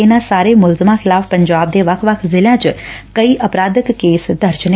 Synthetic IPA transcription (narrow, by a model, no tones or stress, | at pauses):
enasaːɾemʊlzəmãxʰɪlaːfpəɲd͡ʒaːb̚d̪eʋakʰʋakʰzɪljãt͡ʃkəiʔəpɾaːd̪əkːeːsd̪əɾt͡ʃn